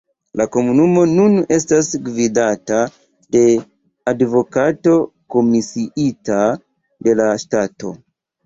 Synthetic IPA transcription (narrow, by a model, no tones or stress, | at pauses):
lako̞munumo̞nune̞stasɡvidata | de̞ | advo̞kato̞ko̞misiʔita | de̞laʃtato̞̰